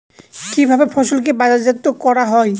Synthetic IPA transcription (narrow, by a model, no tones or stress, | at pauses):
kibʱabepʰɔsolk̬ebazaɾzat̪ːokɔɾaɦɔj